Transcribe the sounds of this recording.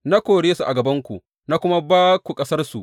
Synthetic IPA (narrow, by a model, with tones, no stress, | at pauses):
na˦kʷoː˨ɽeː˦su˨ʔa˨ɡɐ˨bɐ˦ŋkʷu˨ | na˦kʷʊ˦ma˦baː˦kʷu˨kʼɐ˦sɐ˦rsu˨ʔ